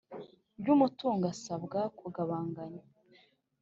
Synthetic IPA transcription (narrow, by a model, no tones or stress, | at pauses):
bɟuːmutuːŋɡasabɡakuɡaβaːŋɡaɲa